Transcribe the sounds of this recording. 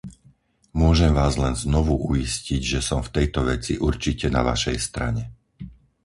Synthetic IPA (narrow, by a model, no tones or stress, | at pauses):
mʊɔʒɛmʋaːzlɛnznɔʋuʔuisciɟʒɛsɔmft̪ɛjt̪ɔʋɛt͡siʔuɾt͡ʃicɛna̰ʋa̰ʃɛjst̪ɾa̰ɲɛ